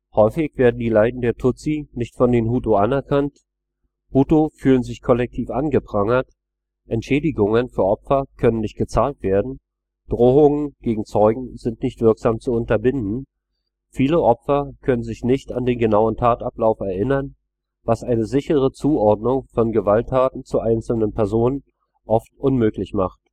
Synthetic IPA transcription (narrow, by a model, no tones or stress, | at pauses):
hɔʏfɪçv̥eːɐdn̩diːlaɪdn̩deːɐtʰʊt͡sinɪçtfɔndeːmɦuːtoʔanɛɐkʰant | huːtofyːlənzɪçkʰɔlɛk̚tʰiːfʔanɡəpʁ̥aŋɐt | ʔɛntʃɛːdɪɡʊŋənfyːɐʔɔpfɐkʰœnənːɪçt̚ɡ̥ət͡saːltv̥eːɐdn̩ | d̥ʁoːʊŋənɡ̥eːɡŋ̩t͡sɔʏɡŋ̩zɪntnɪçtv̥ɪɐkz̥aːmt͡suʊntɐbɪndn̩ | fiːləʔɔpfɐkʰœnənzɪçnɪçtandeːnɡənaʊəntʰaːtaplaʊfɛɐʔɪnɐn | vasʔaɪnəzɪçəʁət͡suːɔɐdnʊŋfɔnɡəvaltʰːaːtn̩t͡suʔaɪnt͡sl̩nənpʰɛɐzoːnən | ʔɔftʔʊnmøːklɪçma̰χt